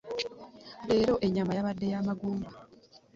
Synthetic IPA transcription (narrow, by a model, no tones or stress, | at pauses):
ɾe̞ːɾo̞ʔe̞ɲːamajaβadːe̞jaːmaɡuːmba